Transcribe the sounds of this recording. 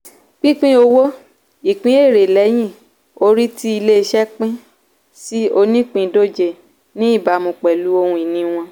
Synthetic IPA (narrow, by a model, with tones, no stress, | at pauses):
k͡pĩ˦k͡pĩ˦o˧wo˦ | i˨k͡pĩ˦e˦˨ɾe˨lɛ˨˦j̃ĩ˦˨ | o˧ɾi˦ti˦i˧le˦˧ʃɛ˦k͡pĩ˦ | si˦o˧nĩ˦k͡pĩ˧do˦d͡ʒe˦˨ | nĩ˦i˦˨ba˨mũ˨k͡pɛ˨lu˨˦o˧hũ˧i˨nĩ˧w̃ɔ̃˧